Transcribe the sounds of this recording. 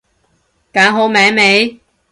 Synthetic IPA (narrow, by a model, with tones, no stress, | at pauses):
kaː˨˥ŋɦo˨˥wmɛː˨˥ŋme˨˥j